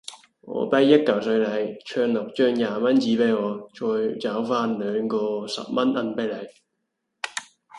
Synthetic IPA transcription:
ŋɔ̰ː˨˧pɐ˥jːɐ˥t̚kɐ˨˩wsɵ˧ɥlɐ˨˥jt͡ʃʰœː˧ŋlʊ˨˩k̚t͡ʃœː˥ŋjaː˨mɐ˥nt͡siː˨˥pe˨˥jŋɔː˨˧t͡ʃɔː˧jt͡sɐ˨˥wfaː˥nlœː˨˧ŋkɔː˧sɐ̰˨p̚mɐ˥nʔɐ˥npɐ˥jlɐ˨˥j

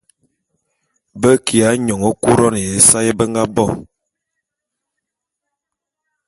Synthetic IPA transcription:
bə˦ki˨a˨˦ɲɔ˨ŋɔ˦ku˦ɾɔ˦n˨je˨˦sa˦je˦bə˦ŋɡa˦bɔ˦˨

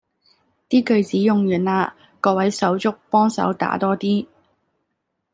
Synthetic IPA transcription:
t̪iː˥kɵ˨˧ɥt͡siː˨˥jʊ˨ŋjyː˨˩naː˧ | kɔː˧wɐ˨˥jsɐ˨˥wt͡sʊ˥k̚pɔː˥ŋsɐ̰˨˥wt̪a̰ː˨˥t̪ɔː˥t̪iː˥

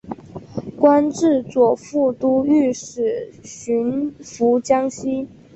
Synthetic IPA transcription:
kwa˥nʈ͡ʂɻ̩˥˩t͡swɔ˨˩fu˥˩t̪u˥y˥˩ʂɻ̩˨˩ɕy˧˥nfu˧˥t͡ɕjɑ˥ŋɕi˥

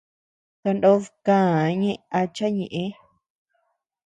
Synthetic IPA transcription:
t̪a˧ndo˦ðkãː˦˨˧ɲẽ˦ʔa˧t͡ʃa˦ɲẽ˨ʔẽ˧˦

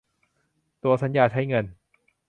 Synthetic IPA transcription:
t̪u˧ɐsa˩˦njaː˧˩t͡ɕʰa˦˥jŋɤ˧n

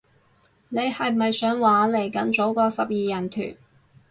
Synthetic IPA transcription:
ne˨˧jhɐ˨jmɐ˨jsœː˨˥ŋwaː˨˥le˨˩jkɐ˨˥nt͡so˨˥wkɔː˧sɐ˨p̚jiː˨jɐ˨˩nt̪ʰy̰ː˨˩n

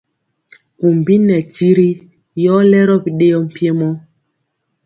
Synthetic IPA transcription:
ku˨m˨bi˦nɛ˨ti˦ɾi˦ | jɔ˦lɛ˦ɾɔ˦pi˨ɗe˦jɔ˦m̩˦˨pje˦mɔ˦

